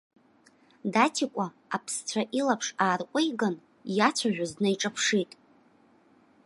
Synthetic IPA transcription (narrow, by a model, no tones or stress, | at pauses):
datʰikʷʼaːpʰst͡ɕʷʰaʔilapʰʂaːrqʷʼʊjɡan | jat͡ɕʷʰaʒʷᶣaznɨiʈ͡ʂʼapʰʂitʼ